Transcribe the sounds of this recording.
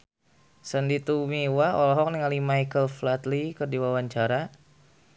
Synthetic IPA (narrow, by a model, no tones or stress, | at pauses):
səndit̪umiwaɔlɔɦɔk̚niŋalimajkəlflat̪likərdiwawaɲt͡ʃaɾa